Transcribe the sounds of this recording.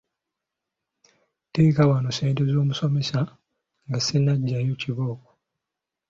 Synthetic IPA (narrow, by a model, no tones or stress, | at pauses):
tekawanoseːntezo̞ːmuso̞me̞sa | ŋɡasenaɟːajociβoːko